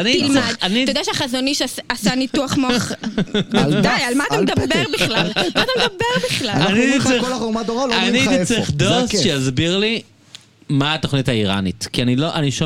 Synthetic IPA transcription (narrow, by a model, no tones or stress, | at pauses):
aniilmiadanitaod̪aʃeaχazoniʃasanituaχmoχ | ajalmaːt̪amd̪abeʁbiχlalmaːt̪amedabeʁbiχlaaniit͡sikolaomad̪oʁalaniit͡seχd̪osʃejazbiʁli | maːt̪oχnithaiʁa̰nitkianiloʔaniʃo